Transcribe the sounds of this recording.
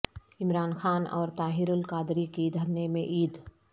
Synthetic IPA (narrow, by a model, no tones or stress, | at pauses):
ɪmɾaːnxaːnɔ̰ːɾt̪aːɦɪɾʊlkaːd̪ɾikid̪ʱɐɾnemẽʔiːd̪